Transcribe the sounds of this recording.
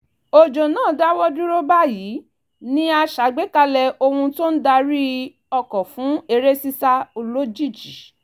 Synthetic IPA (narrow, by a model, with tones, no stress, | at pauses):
o˨d͡ʒo˨nãː˦˨da˦wɔ˦du˦ɾo˦ba˦jiː˨˦ | nĩ˦a˧ʃa˨˦ɡ͡be˦ka˧lɛ˧o˧hũ˧to˦n̩˦da˧ɾi˦ | ɔ˧kɔ˨fũ˨˦e˧ɾe˦si˦sa˦o˧lo˦d͡ʒi˦˨d͡ʒi˨